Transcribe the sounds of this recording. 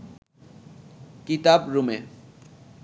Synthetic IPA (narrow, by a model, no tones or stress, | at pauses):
kit̪abɾume